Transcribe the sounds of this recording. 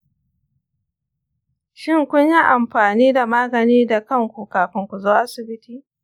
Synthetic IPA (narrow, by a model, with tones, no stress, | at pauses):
ʃɪ˦˨ŋkʷʊ˦ɲji˦ʔa˨mɸaː˨niː˦da˨maː˦ɡɐ˨niː˦da˨kɐ˦ŋkʷu˨kaː˨ɸɪ˦ŋkʷu˨zoː˦ʔa˦sɪ˨bɪ˦tiː˦